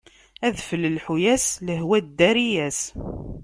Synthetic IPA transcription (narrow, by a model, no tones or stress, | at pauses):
æðfəlːəlħujæsləɦwæd̪æɾijæs